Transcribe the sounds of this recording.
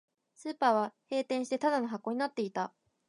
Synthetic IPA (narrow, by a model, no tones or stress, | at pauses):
sɨːpaːβahe̞ːt̪ẽ̞ɰ̃ɕi̥t̪et̪ad̪ano̞ɦakːo̞ːɲ̟inat̪ːe̞it̪a